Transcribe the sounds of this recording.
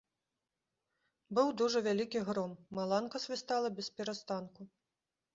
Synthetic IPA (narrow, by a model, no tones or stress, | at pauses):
bɨwd̪uʐɐvʲalʲikʲiɣɾɔmːalˠankɐsʲvʲist̪alˠɐbʲɛspʲɛɾast̪anku